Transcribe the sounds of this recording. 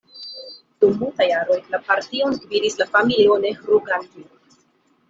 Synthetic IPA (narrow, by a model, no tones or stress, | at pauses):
d̥umːultajaɾo̞jlapaɾtionsdviɾislafamilio̞ne̞hɾuɡanti